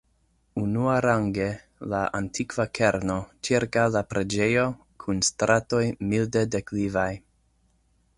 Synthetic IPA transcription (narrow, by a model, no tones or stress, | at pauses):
unuaɾaŋɡe | laʔa̰ntʰikv̥akʰe̞ɾno̞t͡ʃiɾkawlapɾe̞d͡ʒe̞jo̞ | kʰunstɾato̞jmildedeklivaj